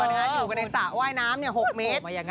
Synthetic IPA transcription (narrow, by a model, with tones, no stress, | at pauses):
wa˧haː˦˥jːka˧˩na˧˩sa˨˩waː˥˩jnaː˦˥mni˥˩əho˨˩k̚meː˦˥t̪̚a˧˩